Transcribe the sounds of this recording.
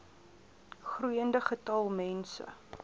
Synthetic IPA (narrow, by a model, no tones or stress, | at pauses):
χruəndəχətɐlˠmɛnsə̰